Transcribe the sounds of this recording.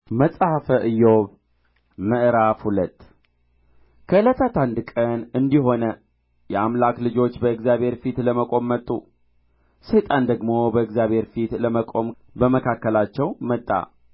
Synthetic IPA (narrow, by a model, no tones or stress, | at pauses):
məsʼhəfəʔɨjːoβ | mɨʔɾafhulət̪ː | kʰəɨlət̪ʰat̪ʰand̪kʼənɨnd̪iɦo̞nə | jɛamlaklɨd͡ʒo̞t͡ʃːbəɨkzjabʱhe̞ɾfit̪ləməkʼo̞mːət̪ʼːṵ | set̪ʼand̪əɡmo̞bəɨɡzjaβhe̞ɾfit̪ləməkʼo̞m | bəməkʰakːəlat͡ʃːɛwmət̪ʼːa̰